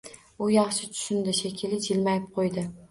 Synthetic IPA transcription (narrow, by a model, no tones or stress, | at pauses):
ʊjɑχʃɪt̪ʰʊ̥ʃʊnd̪ɪʃekʲʰɪlɪd͡ʒɪlmajɪp̚qʰojd̪ɪ